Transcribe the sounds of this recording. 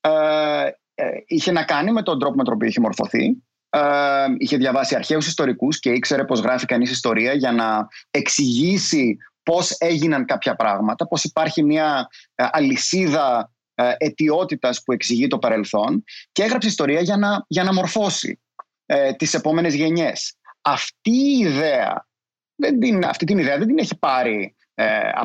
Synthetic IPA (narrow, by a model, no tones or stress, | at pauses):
içe̞nɐkɐnime̞t̪o̞nd̪ɾo̞po̞met̪opioiçemo̞ɾfo̞̰θḭ | içe̞ðʝɐvɐsiɐɾçe̞usist̪o̞ɾikusce̞ikse̞ɾe̞po̞zɣɾɐfikɐnisist̪o̞ɾiɐʝɐnɐe̞ksiʝisipo̞se̞ʝinɐŋkɐpçɐpɾɐɣmɐt̪ɐpo̞sipɐɾçimiɐʔɐlisiðɐ | ʔe̞t̪io̞t̪it̪ɐspue̞ksiʝit̪o̞pɐɾe̞lθo̞nceeɣɾɐpseist̪o̞ɾiɐʝɐnɐʝɐnɐmo̞ɾfo̞sḭ | t̪ise̞po̞me̞ne̞zʝe̞ɲe̞sɐft̪iːðe̞ɐ̰ | ðend̪inɐ̰ft̪it̪iniðeɐðed̪ineçipɐɾi | ɐ̰